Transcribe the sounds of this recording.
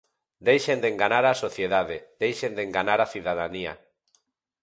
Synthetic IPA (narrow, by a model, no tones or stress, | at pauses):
d̪ejʃend̪eŋɡanaɾasoθjeðaðed̪ejʃend̪eŋɡanaɾaθiðaðania̰